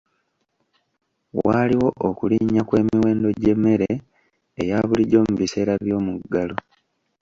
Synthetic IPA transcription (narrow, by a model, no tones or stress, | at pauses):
waːliwo̞ʔokuliɲakwe̞ːmiwe̞ːndo̞ɟe̞mːe̞ɾeː | jaβuliɟo̞ːmuβise̞ːɾaβjo̞ːmuɡːalo